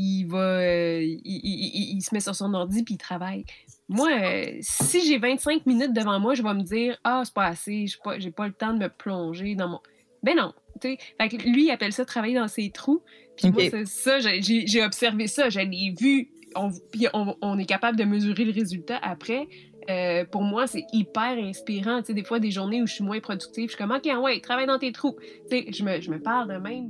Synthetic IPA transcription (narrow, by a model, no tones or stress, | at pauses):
ivʌ | iːsəmɛsyʁsɔ̃nɔʁd͡zipiːt̪χavajmwaø̰siʒevɛ̃t̪sɛ̃kminʏt̪̚d̪əvɑ̃mwaʒəvʌməd͡ziːʁɑse̥pʌaseʒe̥pʌʒepʌlət̪ɑ̃d̪əməplɔ̃ʒed̪ɑ̃mɔ̃ | bɛnɔ̃t̪t͡sefaklɥiapɛlsʌt̪χavajed̪ɑ̃seːt̪χu | pimwsɛsʌʒəʒeʒeɔbsɛʁvesʌʒalɛvy | ɔ̃piɔ̃ɔ̃nɛkapabləd̪əməzyʁeləʁezylt̪aʔapχɛ | øpuʁmwasɛipɛːʁɛ̃spiʁɑ̃tt͡sed̪eːfwad̪eʒuʁneuʒə̥sɥimwɛ̃pχɔdd͡zyk̚t̪iv̥ʃi̥kɔmɔkʲeɑ̃wɛ̃t̪χavajd̪ɑ̃t̪et̪χut͡seʒəməʒəməpaʁld̪əmɛ̃ɪ̃m